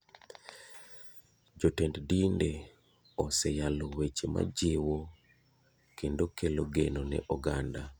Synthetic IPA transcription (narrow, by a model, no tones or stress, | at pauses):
d͡ʒotɛnddinde | ɔsɛjalowet͡ʃema̰d͡ʒewo | kendokeloɡenonɛ̰ʔɔɡanda